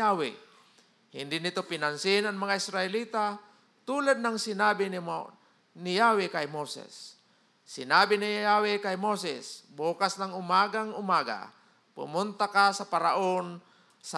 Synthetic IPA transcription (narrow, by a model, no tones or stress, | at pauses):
awɪ̰ | hɪnd̪ɪnɪt̪opɪnansɪnaŋmaŋaɪsɾaɪliːt̪a | t̪uːlad̪̚naŋsɪnaːbɪn | nɪjaːwɪkajmosɛ̰sː | ɪnaːbɪnijjawɪkajmosɛ̰sboːkasnaŋʊmaɡaŋʊmaːɡa̰ | pʊ̰mʊnt̪akasapaɾaʔon | sa